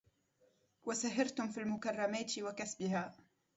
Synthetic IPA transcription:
wasaɦɪɾt̪ʊmfiːlmʊkɑrˤːɑmaːt̪wakasbɪhaː

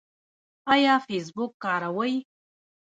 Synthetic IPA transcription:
ajafes̬bukːaːɾawəj

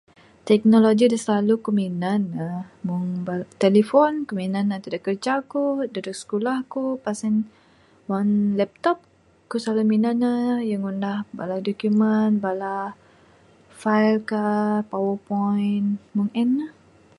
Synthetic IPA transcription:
t̪ɛk̚noloɡidasəlalukuminanːamuŋbat̪ɛlifɔnkəminanat̪idakərd͡ʒakudadɔk̚sə̥kulahkupasɛn | wanlɛp̚t̪ɔp̚ | kusaluminanajaŋundahbaladɔkjumənbala | fajlkapawəpɔjnmuŋɛnːəh

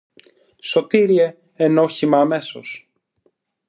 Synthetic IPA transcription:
so̞t̪iɾie̞ | enoçimɐːme̞so̞̰s

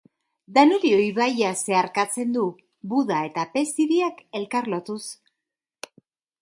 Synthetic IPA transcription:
d̪anuɾio̞jβajase̞aɾkat͡se̞nd̪u | βuðae̞t̪ape̞siβiake̞lkaɾlo̞t̪us

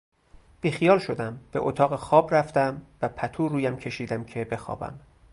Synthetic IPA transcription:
b̥iːxijɒːlʃod̪æmb̥e̞̰ʔot̪ʰɒːɣexɒːbræft̪æmvæpʰæt̪ʰuːɾuːjæmcʰe̞ʃiːd̪æmcʰe̞be̞xɒ̰ːbæ̰m

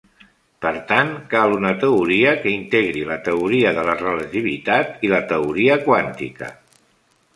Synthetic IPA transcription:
pəɾt̪ankalˠunət̪əuɾiəkəint̪eɣɾilət̪əuɾiəðələrələt̪iβit̪at̪ilət̪əuɾiəkwant̪ḭkə̰

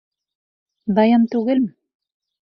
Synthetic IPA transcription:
ðajamt̪uɣelm

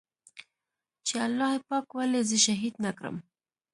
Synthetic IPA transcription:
t͡ʃealːɑhepɑkwalezəʃaɦid̪nakɾə̰m

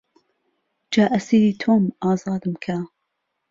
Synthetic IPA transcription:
d͡ʒaːʔɐsiːɾiːt̪ʰoːmɑːzɑːd̪ɨmkʰa

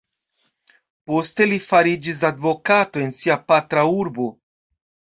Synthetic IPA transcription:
po̞ste̞lifaɾid͡ʒis̬advo̞katoe̞nsiapatɾauɾbo̞

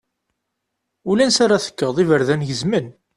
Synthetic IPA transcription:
ulænsaɾaθə̥kːəðˤivəɾðænʝəzmən

